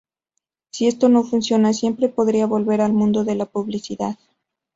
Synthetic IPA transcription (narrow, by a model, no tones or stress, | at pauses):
sie̞st̪o̞no̞funsjo̞nasje̞mpɾe̞po̞ðɾiaβo̞lβe̞ɾalmũnd̪o̞ðe̞lapuβlisiðað